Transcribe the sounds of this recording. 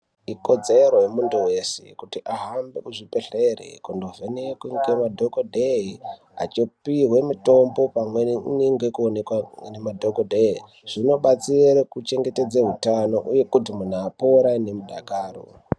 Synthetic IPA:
iko̞d͡zeɾojemunduwe̞sḛkutiʔaɦambe̞kuʐipeɬerḛkundovenekiŋɡemadʱokodʱei | a̰t͡ʃopiɦwe̞mito̞mbo̞pamweniŋɡekuonekwanemadʱokodʱei | ʐ̥ino̞ɓat͡sirekut͡ʃe̞ŋɡete̞d͡zeɦutano̞ʔuje̞kutimun̤aːpoːɾaine̞muɗaɡʱaːro̞̰

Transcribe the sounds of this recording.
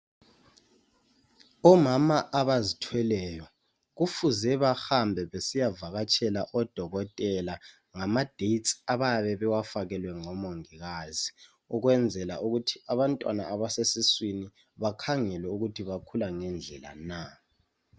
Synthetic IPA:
ɔmamaʔaβazitʰwɛlɛjɔ | ɣufuzɛβaxambʱɛβesijavaɣat͡ʃʼʰɛlaʔɔd̥ʱɔɣɔtʼɛla | ŋamad̥ʱett͡sʼaβajaβɛβɛwafaɣɛlwɛŋɔmoŋiɣazi | ɔɣwɛnd͡zʱɛla̰uɣutʰiaβantʼwa̰naaβasesiswini | βakʰaŋɛlɛuɣutʰiβakʰulaŋɛnd͡ɮʱɛla̰na

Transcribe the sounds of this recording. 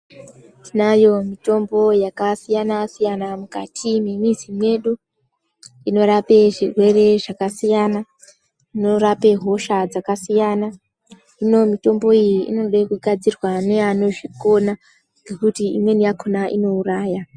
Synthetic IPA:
tʰinajo̞mito̞mbo̞jakasijanasijanamuka̰tʰimimizimwe̞ɗu | ino̞ɾape̞ʐirwe̞re̞ʐakasijana | ino̞ɾape̞ɦo̞ʃad͡zakasijana | ino̞mito̞mbo̞ijiʔḭno̞ɗekuɡʱad͡zirwaneano̞ʐiko̞na | ɡʱe̞kutiimwe̞nijakʰonaʔino̞uraːja

